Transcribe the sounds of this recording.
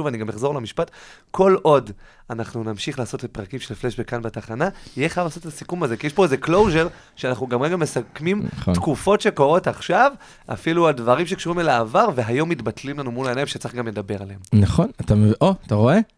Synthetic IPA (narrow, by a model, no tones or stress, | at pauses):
uvaniɡameχzo̞ʁlemiʃpatkʰo̞lʔo̞d | anaχnunamʃiχlaːso̞tet̚pʁakimʃelfleʃbekanbetaχanajeχajavlaːso̞tetasikumaze̞kijɛʃpo̞eze̞klo̞wʒe̞ʁ | ʃeanaχnuɡamʁeɡamesakmimt̪kufo̞tʃe̞ko̞ʁo̞taχʃav | a̰filualdvaʁimʃe̞kʃuʁimelaːvaʁveɦajo̞mːitbatlimlanumulaenaimʃet͡saiχɡamledabe̞ʁaleemnaχo̞natamevoataʁo̞e